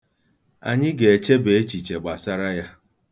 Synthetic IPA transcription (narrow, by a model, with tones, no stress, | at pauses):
a̰˨ɲɪ˦ɡe˨e˨t͡ʃe˦be˨e˦t͡ʃi˨t͡ʃe˨ɡ͡ba˨sa˦ɾa˦ja˦